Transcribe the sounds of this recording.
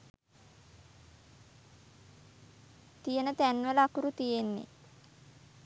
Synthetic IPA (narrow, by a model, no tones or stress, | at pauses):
t̪ijənət̪ænʋələakuɾut̪ijenːḛ